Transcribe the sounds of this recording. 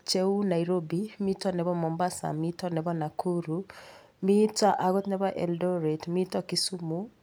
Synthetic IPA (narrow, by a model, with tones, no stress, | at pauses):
t͡ʃɛu˦na˨iɾobimi˦tɔnɛ˨βɔ˦mɔ˨mba˦sa̰˨mitɔnɛβɔ˦na˨kʰu˦ɾu | mi˦ta˦ʔa˨ɣɔ˦t̪nɛβa˦ʔɛ˨ldɔɾɛtmi˦tɔki˦su˦mu